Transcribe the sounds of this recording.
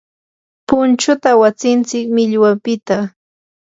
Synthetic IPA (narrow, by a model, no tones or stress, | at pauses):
pʊnt͡ʃʊt̪awat͡sɪnt͡sɪkmɪʎwapɪt̪a